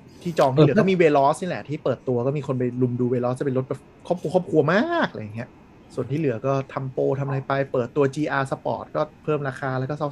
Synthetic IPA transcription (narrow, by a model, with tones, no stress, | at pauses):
t̪ʰiː˥˩t͡ɕɔː˧ŋt̪iː˥˨ɯ˩˦kɔː˥˩miː˧weː˧lɔː˦˥sniː˥˩lɛ˨˩t̪ʰiː˥˩pɤː˨˩t̪ːu˧ɐkɔː˥˩miː˧kʰo˧np̬a˧jlu˧mduː˧weː˧lɔː˦˥t͡ɕa˨˩pe˧lɾo˦˥bɛ˨˩p | kʰɔ˥˩p̚kʰu˧kʰɔː˥˩p̚kʰu˧ɐmaː˥˩k̚laː˧ja˨˩ŋːi˦˥ɐʔ | su˨˩nt̪ʰiː˥˩lɯ˩˦ɐkɔː˥˩t̪ʰa˧mpoː˧t̪ʰa˧mʔla˧jpa˧jpɤː˨˩t̪ːu˧ɐt͡ɕiː˧ʔaː˧sa˧pɔ̰ː˨˩t̪̚kɔː˥˩pʰɤː˥˩mɾaː˧kʰaː˧lɛː˦˥wkɔː˥˩sa˥˩